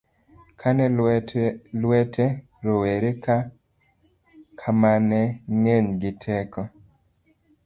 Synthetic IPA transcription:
kʰanɛ | lwɛtʰɛ | ɾoweɾeka | kʰamanɛŋeɲɡɪtʰɛkɔ

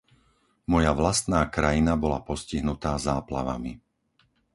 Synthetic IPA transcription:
mɔjaʋlast̪naːkɾajinabɔlapɔsciɦnut̪aːzaːpla̰ʋa̰mḭ

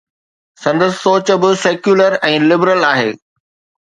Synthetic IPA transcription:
sɐ̃nd̪əsɪ̥soːt͡ɕə̆bɪseːkjuːləɾɛ̃ːlɪbɾəlaːɦḛː

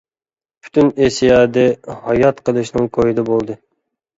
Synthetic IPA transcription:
pʰy̥t̪ʰynesijɑːd̪ɛhɑjɑt̪qʰəlˠɨʃnɨŋkʰojid̪ɛbolˠd̪ɨ

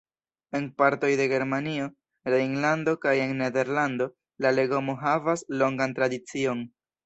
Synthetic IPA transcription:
e̞npaɾto̞jde̞ɡe̞ɾmanio̞ | laiŋlando̞kaje̞ŋːe̞de̞ɾlando̞ | lale̞ɡo̞moɦavaslo̞ŋɡantɾadit͡sio̞n

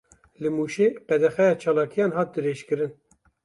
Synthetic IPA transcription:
lɨmuːʃeːpɛd̪ɛxɛjɑːt͡ʃʰɑːlɑːkʰijɑːnɦɑːt̪̚d̪ɨɾeːʃkɨɾɨn

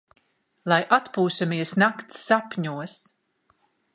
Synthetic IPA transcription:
lˠajʔat̪puːsamiɛsnakt̪sːapɲuɔs

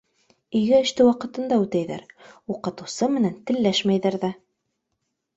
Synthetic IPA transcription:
iɡɘɘ̆ʃt̪ɘwɑqɤ̆t̪ɤ̆nd̪ɑʉt̪æjðæ̰ɾuqɤ̆t̪ɤ̆wsɤmɘ̆nænt̪ɘ̆lːæʃmæjðæɾðæ

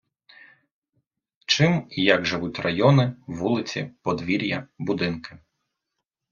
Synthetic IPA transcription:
t͡ʃɪmijɐɡʒɪʋutʲrɐjɔnɪʋulˠɪt͡sʲḭpɔd̪ʋʲiɾʲjɐbʊd̪ɪnkɪ̥

